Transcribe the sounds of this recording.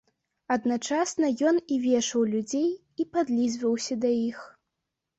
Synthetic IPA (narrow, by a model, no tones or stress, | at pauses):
ɐd̪nat͡ʂasnɐjɔnivʲɛʂɐwlʲud͡zʲej | ipad̪lʲizvɐwsʲɐd̪ajix